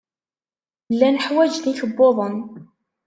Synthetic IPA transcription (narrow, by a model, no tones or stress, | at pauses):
lːænəħwæd͡ʒðiçəbːoðˤən